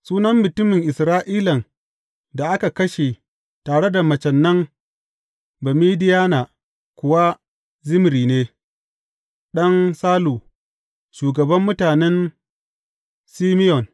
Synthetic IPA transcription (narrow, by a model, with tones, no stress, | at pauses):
suː˦nɐ˦mːʊ˨tʊ˦mɪ˨ŋʔɪ˨sɾaː˦ʔiː˦lɐ˨n | da˨ʔa˦ka˨kɐ˦ʃe˨ | taː˨ɽe˦da˨mɐ˨t͡ʃɛ˨nːɐ˦ŋ | bɐ˨miː˦dɪ˦jaː˦na˨ | kʷʊ˨wa˦ | zɪ˦m˦ɾiː˨neː˦ | ɗɐ˦nsaː˦luː˨ | ʃuː˨ɡɐ˨bɐ˦mːʊ˦taː˨nɛ˦n | siː˦mɪ˦jɔ˨n